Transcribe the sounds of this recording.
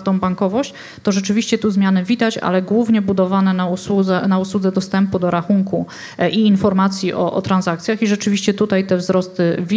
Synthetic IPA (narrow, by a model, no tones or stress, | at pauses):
t̪ɔ̃w̃baŋkɔvɔɕt͡ɕ | t̪ɔʐɛt͡ʂɘvʲiɕt͡ɕɛt̪uzmʲjanɘvʲid̪at͡ɕa̰lɛɡwuvɲɛbud̪ɔvanɛnauswud̪zɛnauswud̪zɛd̪ɔst̪ɛmpud̪ɔɾaxuŋku | iːnfɔɾmat̪sʲjiʔɔ̰ʔɔ̰t̪ɾanzakt̪sʲjaxiʐɛt͡ʂɘvʲiɕt͡ɕɛt̪ut̪ajt̪ɛvzɾɔst̪ɘvʲ